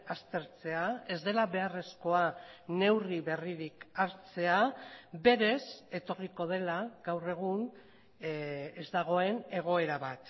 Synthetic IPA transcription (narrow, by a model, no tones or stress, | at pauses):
ast̪e̞ɾt͡se̞ae̞zd̪e̞laβe̞are̞sko̞ane̞wriβe̞riɾikaɾt͡se̞abe̞ɾe̞se̞t̪o̞riko̞ð̞e̞laɡawre̞ɣ̞un | ezd̪aɣ̞o̞e̞ne̞ɣ̞o̞e̞ɾaβat̪